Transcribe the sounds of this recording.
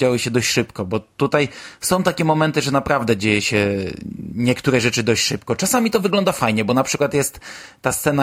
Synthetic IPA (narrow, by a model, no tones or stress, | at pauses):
d͡ʑawɘɕɛd̪ɔɕt͡ɕʂɘpkɔbɔt̪ut̪ajsɔ̃w̃t̪akʲɛmɔmɛnt̪ɘʐɛnapɾavd̪ɛd͡ʑejɛɕɛ | ɲɛkt̪uɾɛʐɛt͡ʂɘd̪ɔɕt͡ɕʂɘp̚kɔt͡ʂasamʲit̪ɔvɘɡlɔnd̪afajɲɛbɔnapʂɘkwat̪jɛst̪ː | ast̪sɛna